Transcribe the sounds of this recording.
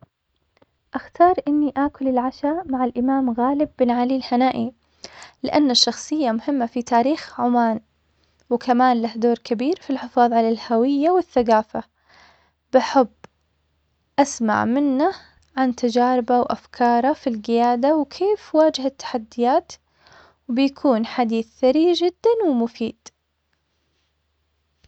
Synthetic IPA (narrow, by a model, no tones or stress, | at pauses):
ʔaxt̪ɑːɾˤʔɪnːiʔaːkʊlɪlʕaʃamaʕalʔɪmaːmɣaːlɪbːɪnʕalilhanaːʔi | lɪʔanːaʃːɑxsˤɨjːamʊhɪmːafit̪aːɾiːxʕʊmaːn | wɪkʰamaːnlahd̪oːɾkabiːɾfilħɪfɑːðˤʕalalhawɪjːawɪθːaɡaːfa | b̥aħabː | ʔasma̰ʕmɪnːa | ʕant̪ad͡ʒaːɾɪbawʔafkʰɑːɾˤɑfilɡɪjaːd̪awkʰeːfwaːd͡ʒɪhat̪ːḁħad̪ːɪjaːt̪ | wbɪjakʰuːnħad̪iːθθaɾid͡ʒɪd̪ːanwɪmʊfiːd̪̥